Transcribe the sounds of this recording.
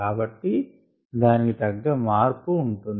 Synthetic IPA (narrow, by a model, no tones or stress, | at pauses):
aːbɐʈːi | d̪aːnikit̪ɐɡːɐmaːɾpuːɳʈund̪